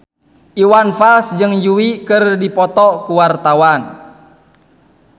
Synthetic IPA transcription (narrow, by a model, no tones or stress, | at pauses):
ʔiwanfalsd͡ʒɨŋjuwikɨrdipɔt̪ɔkuwart̪awan